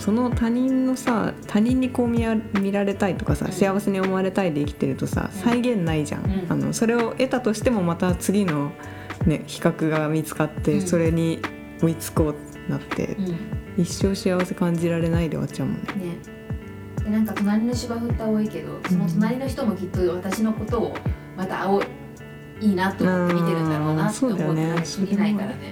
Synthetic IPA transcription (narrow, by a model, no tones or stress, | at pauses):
so̞no̞t̪aɲ̟ĩnːo̞sat̪ʰaɲ̟ĩɲ̟ːiko̞ːmʲiamʲiɾaɾe̞t̪ait̪o̞kasa̰ɕiaβase̞ɲ̟io̞moaɾe̞t̪aid̪e̞ikʲi̥t̪e̞ɾɯ̟t̪o̞sa̰saiɡẽ̞nːaiʑã̰ŋano̞̰so̞ɾe̞o̞ʔe̞t̪at̪o̞ɕi̥t̪e̞mo̞mat̪at͡sɨɡʲino̞ | ne̞kʲi̥kakɯ̟ɡamʲit͡sɨ̥kat̪ːe̞so̞ɾe̞ɲ̟i | o̞it͡sɨ̥ko̞ːt̪ | nat̪ːe̞̰iɕːo̞ːɕiaβase̞kãɲ̟d͡ʑiɾaɾe̞naid̪e̞βa̰t͡ɕaɯmo̰none | d̪̥anãŋkat̪o̞naɾʲinoɕiɡaɸɯ̟t̪ːaβoike̞d̪o̞̰somot̪onaɾʲino̞çi̥t̪o̞mo̞kʲit̪ːo̞βat̪aɕino̞ko̞t̪o̞ː | mat̪ao | iːnat̪ːoɯ̃ieaso̞ːd̪ajonesiɾʲinaikaɾane